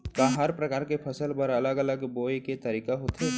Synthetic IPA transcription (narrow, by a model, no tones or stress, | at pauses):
kaɦəɾpɾɐkaːɾkepʰɐsəlpəɾɐləɡələɡboːeket̪ɐɾiːkaɦoːt̪ɦɛː